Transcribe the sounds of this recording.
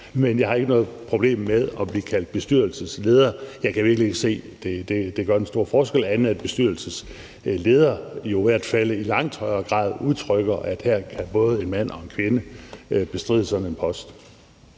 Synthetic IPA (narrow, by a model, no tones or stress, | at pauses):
menjɑ̈ɪhɑ̈e̝ɡ̥ənɔ̽ːð̩ˠpʰʁo̝b̥le̝̰ːmːeðˠɒ̽b̥liːkʰæl̰d̥̚b̥e̝sd̥yɐ̰l̩səsle̝ːð̞ˠɐjɑ̈ɪkʰæʋiɐɡ̥lie̝ɡ̥əse̝̰ːd̥e̝d̥e̝d̥e̝ɡ̥ɶɐensd̥o̝ɐ̰fɒːsɡ̥el̰æn̩æd̥̚b̥e̝sd̥yɐlsəs | le̝ːð̞ˠɐjo̝ʋæɐ̰d̥fæl̰ilɑ̈ŋ̰t͡sʰɒ̽ɪɐːɡ̥ʁɑ̰̈ːð̞ˠuðˠt͡sʰʁœɡ̥ɐʔæd̥heɐ̰kʰæb̥ɔ̽ːð̞ˠəe̝nmæn̰ɒ̽e̝nkʰʋe̝nəb̥e̝sd̥ʁḭːð̰ˠəsɒ̽dn̩enpʰɒ̽sd̥